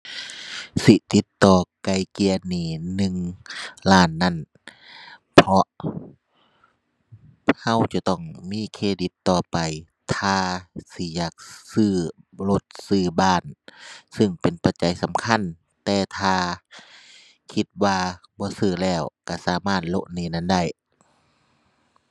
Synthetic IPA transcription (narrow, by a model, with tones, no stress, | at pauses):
si˧˦t̪i˧˦t̪ːɔː˨˩ka˨˧jki˧əniː˧˩nɯ˧ŋlaː˧˩˨nːa˧˥˨n | pʰɔ˧ʔ | ha˧˥˨wt͡ɕa˧˩t̪ɔ˧˩ŋmiː˧˥˨kʰeː˧di˧˦t̪ːɔː˧pa˨j | t̪ʰaː˧si˧˦jaː˨˩k̚sɯː˧˩lo˧t̪̚sɯː˧˩baː˧˩nsɯ˧˩ŋpe˨npʰa˧˩t͡ɕa˨˦jsa˨˦mkʰa˧˥˨n | t̪ɛː˧t̪ʰaː˧ | kʰi˧t̪̚waː˧ | bɔː˧˦sɯː˧˩lɛː˧˩wka˧˩saː˨˦maː˧˥˩t̪̚lo̰˧ʔniː˧˩˨na˧˥˨nda˧˥˩j